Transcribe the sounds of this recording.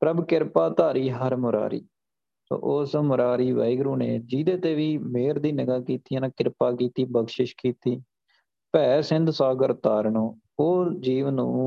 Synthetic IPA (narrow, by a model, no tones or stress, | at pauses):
pɾəbkɪɾpaːt̪aːɾiːɦəɾmʊɾa̰ːɾḭː | so̰ːʔoːsmʊɾaːɾiːʋə̰ːɪɡɾũːneːd͡ʒiːd̪eːt̪eːʋiːmeːɾd̪iːnəɡaːkiːt̪iːanãːkɪɾpaːkiːt̪iːbəɡʃɪʃkiːt̪iː | pɛːsɪ̃nd̪saːɡəɾt̪aːɾnõː | oːd͡ʒiːʋnːũː